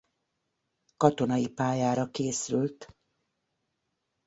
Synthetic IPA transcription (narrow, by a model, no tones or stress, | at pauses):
kɒt̪o̞nɒjipaːjaːɾɒkeːsylt̪